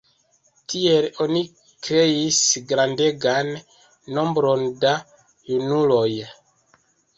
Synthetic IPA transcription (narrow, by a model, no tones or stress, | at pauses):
tʰielo̞ni | kɾe̞isɡɾandeɡanː | o̞mbɾo̞nda | junulo̞j